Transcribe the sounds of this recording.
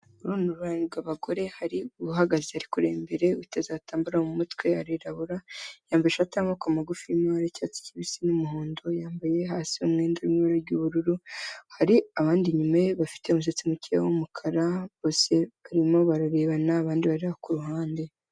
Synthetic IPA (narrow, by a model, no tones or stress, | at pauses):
uɾunuɾuɾaɲiɡaβaɡo̞ɾe̞haɾiuβuɦaɡazehaɾikuɾḛːmbe̞ɾe̞utezaːtaːmbuɾahomumutwe̞haɾiɾaβuɾajaːmbajeʃataːmokamaɡufiimaɾecaːt͡si̥ciβisinumuhoːndojaːmbaje̞ɦaːsiumŋe̞ːndaɾumβaɾaɾɟuβuɾuɾuhaɾiaβaːndiɲumeβafi̥te̞umus̬et͡simucʰea̰wumukʰaɾaβo̞ːse̞βaɾimo̞βaɾaɾe̞ːβanaːβaːndiβaɾiβakuɾuɦaːnde̞